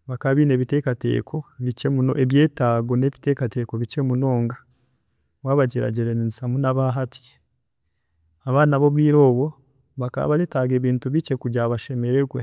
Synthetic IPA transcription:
βakaβine̞ːβite̞ːkate̞̰ːkʰo̞βit͡ʃemuno̰ʔeβje̞ːtaːɡo̞ne̞ːβite̞kate̞ko̞βit͡ʃe̞muno̞ːŋɡa | waːβaɟiɾa̰ɟiɾeniisamunaβaɦatʰi̥ | aβaːnaβo̞βiːɾo̞ːβo̞ | βaka̰βaletaɡe̞ːβiːntuβit͡ʃe̞kuɟaβaʃe̞me̞ɾeɡwe

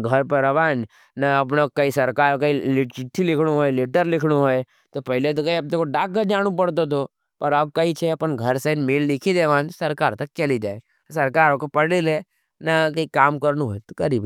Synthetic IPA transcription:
ɡʱɐɾpɐɾɐʋaːn | nɐɐp̬nokːɐisɐɾkaːɾokɐilɪt͡ʃɪt̪ʰːilɪkʰɽuɦoːeleʈəɾlɪkʰɽuɦoe | t̪opɐɦlet̪̬okɐiɐp̚nekoɖaːkːəd͡ʒaːɽ̃up̬ɐɽt̪̬ot̪o | pɐɾɐb̚kɐit͡ʃʰeɐpənɡʱɐɾsɐnmellɪkʰid̪eːʋaːnsɐɾkaːɾt̪ɐk̚t͡ʃɐlid͡ʒaːe | sɐɾkaːɾokopɐɽile | nɐkɐikaːmkɐɾnuɦojt̪o̥kɐɾiːb

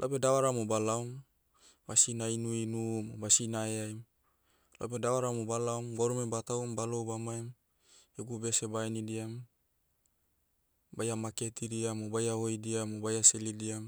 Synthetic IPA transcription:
lʔapedawaɾamubalaum | basinainuinumobasinaeaim | lo̰p̬edawaɾamubalaumɡoɾumebat̪aumbaloubamaim | joɡubesebainidiam | bajamaket̪idiamobajaoidiamobajaselidiam

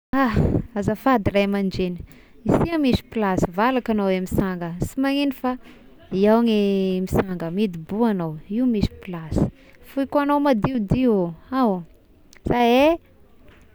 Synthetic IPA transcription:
aazafad̪irajmand͡ʒeni̥ | isiamisi̥pilasivalakanowemisaŋɡəsimaŋinifa | iawŋemisaŋɡəmid̪ibuanowiumisi̥pilasi̥ | fujkanowmad̪iud̪ioaw | z̥aje

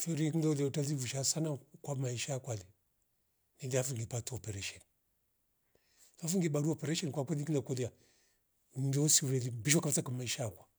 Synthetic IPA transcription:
fiɾiknaletaivuʃasanakʷamaiʃakʷali | nidafuŋɡipatuopeɾeʃon | fafuŋɡibaduopeɾeʃenkʷakʷalikinakolia | ndoosiwɾelibiʃokaftakamaiʃakʷa

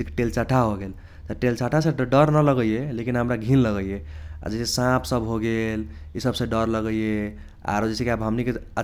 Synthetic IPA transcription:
kʈelt͡ʃaʈʰaɦoɡel | t̪əʈelt͡ʃaʈʰasẽɖəɾnələɡəijelekinɦəmɾaɡʱinləɡəijea̰d͡ʒɛsesãpʰsəbɦoɡelisəbsẽɖəɾləɡəije | a̰ɾd͡ʒɛsekeabɦəmnikeə

